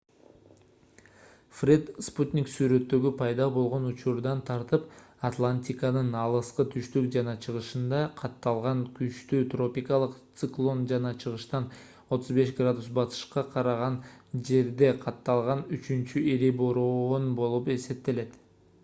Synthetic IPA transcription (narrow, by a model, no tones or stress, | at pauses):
frʲet̪sput̪ʲnʲiksyɾø̞t̪ːø̞ɡypʰɑjd̪ɑbo̞lˠʁo̞nut͡ʃuɾd̪ɑnt̪ʰɑɾt̪ɯpɐt̪lˠanʲt̪ʲikɑnɯnɑlˠɯsqɯt̪ʰyʃt̪ykd͡ʒɑnɑt͡ʃʰɯʁɯʃɯnd̪ɑqʰɑt̪ːɑlˠʁɑŋkyt͡ʃt̪yːt̪ro̞pʲikɑlˠɯqt̪sɨklˠo̞nd͡ʒɑnɑt͡ʃʰɯʁɯʃt̪ɑn | o̞t̪ʰuzbe̞ʃɡrad̪usbɑt̪ɯ̥ʃqɑqʰɑɾɑʁɑnd͡ʒe̞ɾd̪e̞qʰɑt̪ːɑlˠʁɑnyt͡ʃynt͡ʃyʔiɾiboɾoonbo̞lˠupe̞se̞p̚t̪e̞le̞t̪